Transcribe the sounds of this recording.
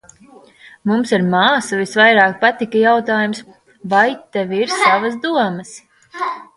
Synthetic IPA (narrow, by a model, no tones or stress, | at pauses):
mumsiɾmaːsɐvisvajɾaːk̚pat̪ikɐjawt̪aːjums | vajt̪ɛviɾsavɐzd̪uɔməs